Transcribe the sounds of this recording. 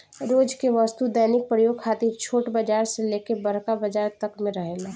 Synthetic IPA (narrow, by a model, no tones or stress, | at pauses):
ɾoːd͡ʒkeʋəst̪ud̪əjnɪk̚pɾəjoːɡ̚kʰaːt̪iɾt͡ʃʰoːʈbəd͡ʒaːɾseleːkebəɾkabəd͡ʒaːɾt̪əkmẽɾəɦeːla